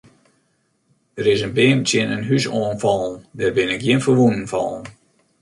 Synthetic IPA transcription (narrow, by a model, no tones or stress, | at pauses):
dəɾɪsənbɪːmt͡sjɪnənɦysɔːnfɔlˠəndɛrbɪnɪk̚ɡjiənfərʋunən̩fɔ̰lˠn